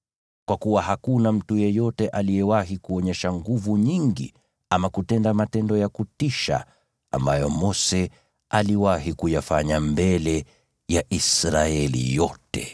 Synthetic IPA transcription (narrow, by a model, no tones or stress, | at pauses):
kwakuwahakunam̩tujɛjɔtɛʔalijɛwaɦikuɔɲɛʃaŋɡuvuɲiŋɡḭ | amakutɛndamatɛndɔjakutiʃa̰ | a̰mbajɔmɔsɛ | aliwaɦikujafaɲambɛlɛ | jaʔisɾaɛlḭjɔtɛ̰